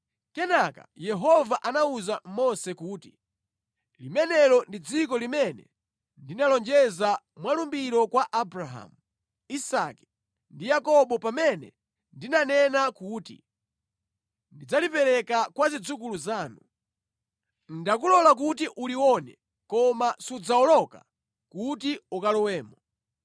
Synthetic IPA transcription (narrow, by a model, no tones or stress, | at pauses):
kɛnaka̰jɛɦɔvaʔanauzammɔsɛkuːti | limɛnɛlɔndid͡zikɔlimɛnɛ | ndinalɔnd͡ʒɛza | mwalumbiɾɔkwaʔabɾaɦa̰mu | isa̰kɛ̥ | ndijakɔɓɔpamɛnɛ̰ | ndinanɛnakuːtḭ | ndid͡zalipɛɾɛkakwazid͡zukuluzaːnu | n̩dak̬ulɔlak̬utiʔuliwɔnɛ | kɔmasud͡zaɔlɔka | kutiukalɔwɛːmɔ